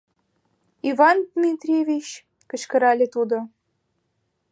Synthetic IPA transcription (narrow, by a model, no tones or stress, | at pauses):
ivɑnd̪mʲit̪rʲevʲit͡ɕ | kə̆ɕkə̆ɾɑlʲet̪ud̪ŏ